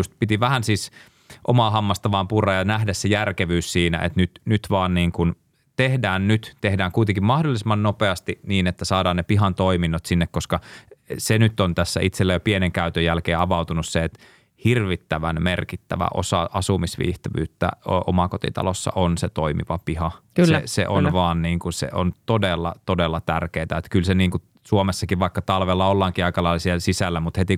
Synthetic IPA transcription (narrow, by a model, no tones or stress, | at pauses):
ust̪̚pit̪iʋæhænsiːs | ʔomɑːɦɑmːɑst̪ɑʋɑːmpurˑɑjɑnæhdæssejærkeʋyːssiːnæ̰ʔḛt̪nyt̪nyt̪ʋɑːnniːŋkun | t̪ehdæːnnyt̪t̪ehdæːŋkuit̪eŋkimɑhdolːˑisemːˑɑnnopeɑst̪iniːnet̪ːæsɑːdɑːnnepiɦɑnt̪oiminːot̪sinːekkoskɑsenyt̪ːont̪æsːæ̰it̪selːæjopieneŋkæyt̪øjælkeːɑʋɑut̪unusseet̪ | hirʋit̪ːæʋænmerkit̪ːæʋæ̰ʔo̰sɑ̰ʔɑsumisʋḭːht̪ɑʋy̰ːt̪ːæ̰ʔo̰mɑkot̪ḭt̪ɑ̰losːɑ̰ʔonset̪oimḭʋɑpihɑkyslːsḛʔo̰nʋɑːnniːŋkusḛʔo̰nt̪odelːɑt̪odelːɑt̪ærkeːt̪æet̪kylseniːŋku | suomesːɑkiʋʋɑikːɑt̪ɑlʋelːɑolːɑːŋkiɑikɑlɑilsiɑsisælːæmut̪het̪i